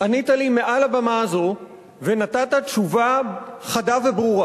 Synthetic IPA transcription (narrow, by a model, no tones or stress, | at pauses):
ʔanit̪alime̞ʔalabamazo̞ | venat̪at̪atʃuvaχadavebʁuʁa